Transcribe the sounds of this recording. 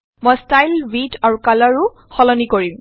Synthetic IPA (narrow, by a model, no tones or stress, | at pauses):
mɔjstajlbitʰaɹukalɔɹʊ | xɔlɔnikoɹim